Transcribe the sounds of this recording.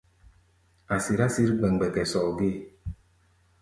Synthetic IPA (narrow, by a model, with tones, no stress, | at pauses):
a˨si˨ɾa˦si˦ɾɡ͡bɛ˨ŋ˨ɡ͡bɛ˨kɛ˨sɔ˨ɡe˦˨